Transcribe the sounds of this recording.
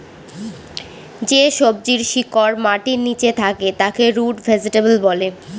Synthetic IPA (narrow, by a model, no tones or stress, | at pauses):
d͡ʑeʃob̚d͡ʑiɾʃikoɾmaʈinit͡ɕet̪ʰaket̪akeɾuʈvʱɛd͡ʑiʈebelbɔle